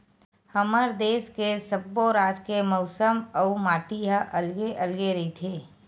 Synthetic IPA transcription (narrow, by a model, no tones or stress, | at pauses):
həməɾd̪eːskesəbːoɾaːd͡ʒkeməʊsəməumaːʈiɦaʔəlɡeʔəlɡeɾəɦit̪ʰeː